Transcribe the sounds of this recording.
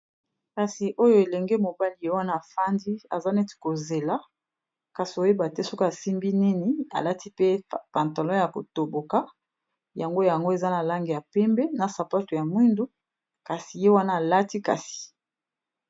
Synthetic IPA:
ka˨si˨ʔo˦jo˦e˨lɛ˨ŋɡe˦mo˨ba˦li˨je˦wa˦naː˦˨fa˦ndi˦a̰˨za˦nɛ˦ti̥˨ko˨ze˨la˦ | ka˨si˨o˨je˦ba˨tɛ˦so˦ka˦a˨si˦mbi˦ni˦ni˨a̰˨la˦ti˦pe˦pa˨nta˨lɔ˦ja˨ko̰˨to˨bo˨ka˦ | ja˨ŋɡo˦ja˨ŋɡo˦e˨za˦na˨la˦ŋɡe˨ja˨pɛ˦mbɛ˦na˨sa˨pa˦to˨ja˨mwi˦ndu˦ | ka˨si˨je˦wa˦naː˦˨la˦ti˦ka̰˨si̥˨

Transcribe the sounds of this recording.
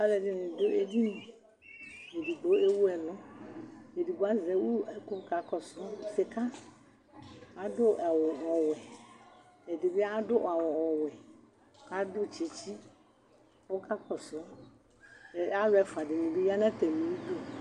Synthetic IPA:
a˦lɛ˨dɪ˦nʊ̃˨dʊ˦e˦di˦nĩ˨ | e˨di˨ɡ͡bo˨˦e˦wu˦ɛ˨lʊ̃˦ | e˨di˨ɡ͡bo˨˦a˦zɛ˨˦wu˦ɛ˦ko˦ka˨kɔ˨ssɪ˨ka˦ | a˨dʊ˦a˨wɔ˨ɔ˨wɛ˨ | e˨dɪ˨be˦a˦dʊ˦ʔa˨wɔ˨ɔ˨wɛ˨ | ka˦dʊ˦t͡ʃi˨t͡ʃi˦ | wo˦ka˦kɔ˨sʊ˨˦˨ | a˦lɛ˨fa˨dɪ˨nũ˨bi˦ja˦nã˦t̪ɛ˨nĩ˨wi˦do˦

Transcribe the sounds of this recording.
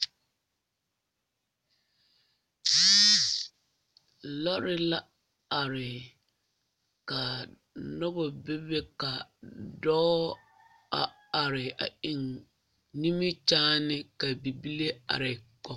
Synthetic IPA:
lɔ˦ɾɪ˦la˦ | a˨ɾɪ˨ | ka˨ | nɔ˦bɔ˨be˦be˦ka˨dɔː˦ | a̰˨ | a˨ɾɪ˨a̰˨ɪ˨ŋ | ni˦mi˦t͡ʃaː˦nɪ˦ka˨bi˨bi˦le˦a̰˨ɾɪ˨kɔ˨

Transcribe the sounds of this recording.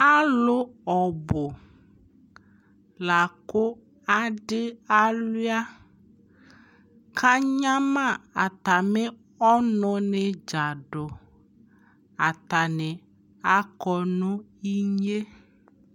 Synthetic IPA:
a˦lʊ˦ɔ˨bʊ˨ | la˨kʊ˦ | a˦ɖɪ˦a˦lʊ˦a˦ | kʰa˦ɲã˦mã˦˨a˨t̪a˨mɪ˦ | ɔ˦nʊ˨˦nɪ˨d͡ʒa˨ɖʊ˨ | a˨t̪a˨nɪ˨ | a˦kɔ˨nʊ̃˦i˦ɲe˦

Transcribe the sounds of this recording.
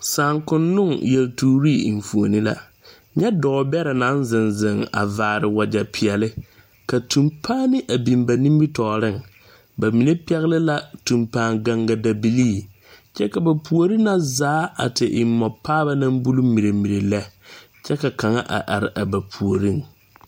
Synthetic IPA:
saː˨ŋkʊ˦nːʊ˦˨ŋjɛ˨ltuː˨ɾi˦˨ḭ˨ɱ˨fu˨o˨nɪ˦la̰˦ | ɲɛ˦dɔː˨˦bɛ˦ɾɛ˨na˦nzɪ˨nzɪ˨ŋa̰˨vaː˨ɾɪ˨wa˨d͡ʒa˨pʰɪ˨ɛ˨lɪ˦ | ka˨tʰu˨mpʰaː˦nɪ˦ʔa˨bi˨mba˨nĩ˦m˦bi˦tɔː˨ɾɪ˦˨ŋ | ba˨mi˨ne˦pɛ˦ɣɪ˦lɪ˦la˦tu˨mpaː˨ŋɡa˨ŋɡa˨da˨bi˨liː˦˨ | t͡ʃɛ˦ka˨ba˨pʰu˨o˨ɾi˦na˦zaː˨˦a̰˨tɪ˨ʔɪ˨m˦mːɔ˨pʰːaː˦ba˦na˦mbu˦lu˦mi˨ɾe˨mi˨ɾe˨lɛ˦ | t͡ʃɛ˦ka˨ka˨ŋa˦ʔa̰˨ʔa˨ɾɪ˨ʔa˨ba˨pʰu˨o˨ɾi˦ŋ

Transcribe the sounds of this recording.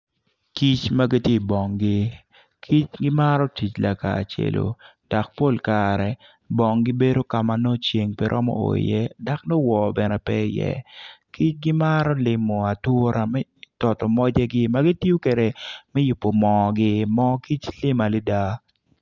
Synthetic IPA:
ki˦t͡ʃma˦ɡi˦tje˦˨bɔ˨ŋɡɪ˦ | kʰi˦t͡ʃɡɪ˦ma˦ɾɔ˦ti˨t͡ʃla˨ka̰˨t͡ʃḛ˨lo̰˨d̥a˨k̚po˦lkaɾɛ˨ | bɔ˨ŋɡɪ˦be˦do˦ka˨ma˨no˦t͡ʃje˨ŋpɛ˦ɾʔɔ̰˦mɔ̰˦o̰˨ḭ˨jɛ˦da˨kno˦wɔ˨bɛ˨nɛ˨pɛ˦jɛ̰˦ki˦t͡ʃɡɪ˦ma˦ɾɔ˦lɪ˨mo˨a˨two˦ɾa˨mɛ˦tɔ˨tɔ˨mɔ˦d͡ʒɛ˦ɡɪ˦ma˦ɡi˦ti˦o˦ke˨ɾe˨mɛ˦jʊ˨pːo˨mɔ˨ɡɪ˦mɔ˦ki˦t͡ʃlɪ˦ma˨lɪ˦da˦

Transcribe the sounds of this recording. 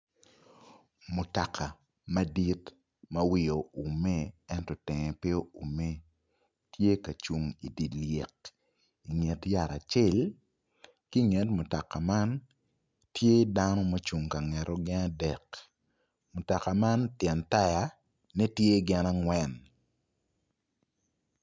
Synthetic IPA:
mu˨ta˨kʰa˨ | ma˦di˦t | mɐ˦wɪ˦˨jo˨u˨me˦ɛ˦ntɔ˨tɛ˨ŋɛ˨pe˦o˦u˨me˦ | tje˦ka˨t͡ʃu˨ŋi˨di˨le˨k | i˨ŋɛ˨tja˨ɾa˨t͡ʃɪ˦˨l | ki˦ŋɛ˨tmʊ˨ta˨ka˨ma˦n | tje˦da˦nɔ˦ma˦t͡ʃu˨ŋka˨ŋɛ˨ɾɔ˦ɡɪ˦na˦dɛ˨k | mʊ˨ta˨ka˨ma˦ntjɛ˨nta˦ja˨ | nɛ˦tje˦ɡɪ˦na˦ŋwɛ˦n

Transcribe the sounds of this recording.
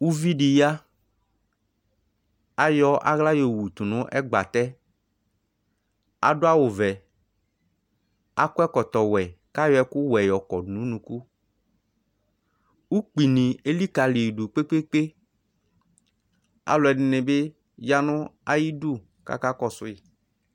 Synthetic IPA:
wu˦vi˦ɖi˨ja˦ | a˦jɔ˦ʔa̰˦ɣla˦jo˨wu˨t̪u˨nʊ̃˦ʔɛ˦ɡ͡ba˨t̪ɛ˦ | a̰˨dʊ˦a˦wʊ˨vɛ˨ | a̰˦kʊ˦ɛ˦kɔ˨t̪ɔ˨wɛ˨ka˦jɔ˦ɛ˦kʊ˦wɛ˨jɔ˨kɔ˨dnũ˨˦nũ˨ku˦ | wu˦k͡pi˨nĩ˨e˦li˦ka˨li˨du˨k͡pe˦k͡pe˦k͡pe˦ | a̰˨lʊ˨ɛ˨nɪ˨nɪ̃˨be˦ | ja˦nʊ̃˦a˦ji˦du˦˨ | ka̰˦ka˦kɔ˦sʊ˦i˨

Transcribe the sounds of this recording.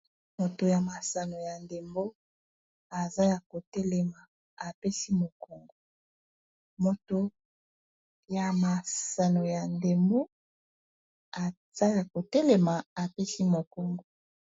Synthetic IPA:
mo˨to˨ja˨ma˨sa˨no˨ja˨nde˨mbo˦ | a˨za˦ja˨ko˨tɛ˦lɛ˨ma˨ | a˨pe˦si˦mo˨ko˨ŋɡo˦ | mo˨to˨ | ja˨ma˨sa˨no˨ja˨nde˨mbo˦ | a˨ | z̥a˦ja˨ko˨tɛ˦le˨ma˨a˨pe˦si˦mo˨ko˦ŋɡo˦

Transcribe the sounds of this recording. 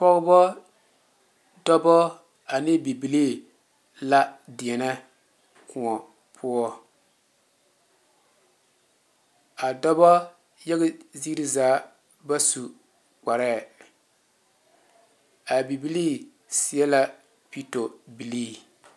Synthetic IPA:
pɔ˦ɣʊ˦bɔ˦ | dɔ˦bɔ˦ | a˨nɪ˦bi˨bi˨li˦˨ | la˦dɪ˨ɛ˨nɛ˦ | kʊ˨ɔ˨ | pʰʊ˦ɔ˦ | a˨dɔ˦bɔ˦ | jɛ˦ɣɪ˦zi˦ɾi˦zaː˨˦ | ba˦su˨ | k͡pa˨ɾɛ˦˨ | a˨bi˨bi˦liː˦ | sɪ˨ɛ˦la˦ | pi˦to˨bi˨liː˦

